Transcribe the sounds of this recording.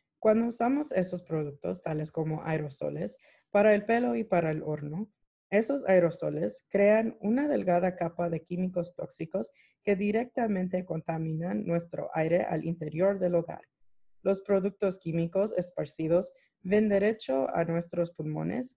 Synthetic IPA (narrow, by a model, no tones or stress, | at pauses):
kwand̪ousamo̞se̞sospɾo̞ðuk̚t̪o̞st̪alesko̞mo̞ʔajɾo̞so̰le̞s | paɾae̞lpe̞lo̞ipaɾaelo̞ɾno | e̞so̞sajɾo̞so̞̰le̞skɾe̞anunaðe̞lɣaðakapaðe̞kimikost̪o̞̰ksiko̞s | ke̞ðiɾe̞k̚t̪amẽnt̪e̞ko̞nt̪amĩnanːwe̞st̪ɾo̞̰ʔajɾe̞ʔa̰lʔḭnt̪e̞ɾjo̞ɾðe̞loɣa̰ɾ | lo̞spɾo̞ðuk̚t̪o̞skimiko̞se̞spaɾsiðo̞s | βe̞nd̪e̞ɾe̞t͡ʃo̞a̰nwe̞st̪ɾo̞spulmo̞̰nḛs